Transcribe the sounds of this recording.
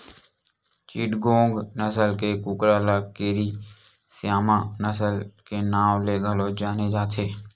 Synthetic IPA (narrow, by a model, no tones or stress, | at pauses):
t͡ʃiʈɡõːŋɡnəsəlkekʊkɾaːlakeːɾi | sjaːmãnəsəlkenaːwleɡəlod͡ʒaːned͡ʒaːt̪ʰeː